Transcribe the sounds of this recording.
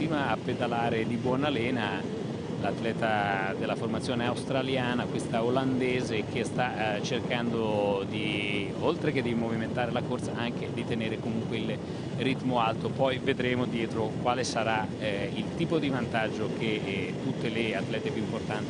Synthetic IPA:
ɾiːmaːpːed̪alaːɾed̪ibwɔnalɛːna | lat̪ːlɛːt̪ad̪elːaformat̪sːjoːneawst̪ɾaljaːnakwest̪aoland̪eːzek̟ʰest̪at͡ʃerkand̪od̪i | olt̪ɾeked̪imoviment̪aːɾelakort̪saʔaŋked̪it̪eneːɾekomuŋkweil | rit̪moalt̪opɔjved̪ɾeːmod̪jɛːt̪ɾokwaːlesaɾailt̪iːpod̪ivant̪ad͡ʒːok̟et̪ːut̪ːeleat̪ːlɛːt̪epjuimport̪ant̪i

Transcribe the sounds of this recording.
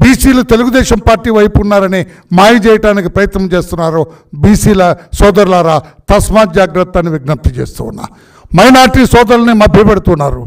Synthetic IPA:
biːsiːlut̪e̞luɡud̪ɛːʃɐmpaːɾʈːiːʋɐjpunːaːɾɐni | maːjut͡ʃɛːjɐʈaːnikipɾɐjt̪nɐmt͡ʃeːst̪unːaːɾu | biːsiːlɐsɔːd̪ɐɾulaːɾaːt̪ɐsmaːd͡ʒaːɡɾɐt̪ːaːnːiʋiɡ̚nɐp̚t̪it͡ʃeːst̪ṵːwunːa̰ | mɐjnaːɾʈiːsɔːd̪ɐɾlɐnimɐbʱjɐpɛɽut̪unːaːɾu

